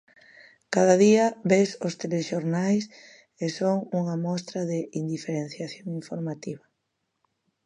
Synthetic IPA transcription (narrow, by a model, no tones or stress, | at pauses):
kaðɐðiɐβesost̪eleʃoɾnajs | esoŋuŋɐmɔst̪ɾɐðeʔind̪ifeɾen̟θjaθjoŋiɱfoɾmat̪iβɐ